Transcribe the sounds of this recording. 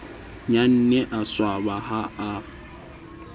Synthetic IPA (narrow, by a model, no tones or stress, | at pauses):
ɲan̩nɛʔaswabaɦaa